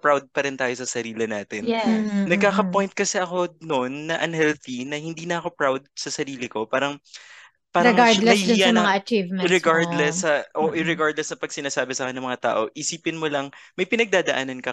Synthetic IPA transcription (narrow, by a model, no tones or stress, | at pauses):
pɾawd̪̚pɐɾɪnt̪aːjo̞sɐsɐɾiːlɪnaːt̪ɪnɛnɐɡ̚kːaːkɐpo̞jnt̪̚kɐsɛʔɐko̞no̞nːɐʔɐnɦɛlθinɐhɪnd̪iːnɐʔɐko̞pɾawd̪̚sɐsɐɾiːlɪko̞paːɾɐŋ | paːɾɐŋɡalɐjaɐŋaɐt͡ʃivmɛɾɛɡaɹd̪lɛsːɐʔoʔɪɾɛɡaɹd̪lɛsnɐpɐɡ̚sɪnaːsaːbɪsaːkɛnːɐŋmɐŋat̪a̰ːʔo̞ʔisiːpɪnmolɐŋmɐjpɪnɐɡ̚d̪aːd̪ɐʔaːnɐnkɐ